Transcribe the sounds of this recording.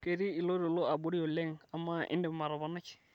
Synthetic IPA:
ke˨ɾi˦ɪ˨lo˦ɾo˨lo˦a˨bo˦ɾi˦o˨lɛ˦ŋa˨ma˦ʔɪ̰˦ndɛ˨ma˨ɾɔ˨ba˨na˦t͡ʃɪ̥˨

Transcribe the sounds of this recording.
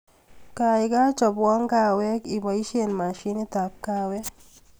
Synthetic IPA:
ka˨i˨ka˦t͡ʃɔ˨bwɔ˦ŋka˨wɛ˦ki˨ba˨i˦ʃe˨nma˨ʃi˦ni˦ta˨p̚ka˦wɛ˦

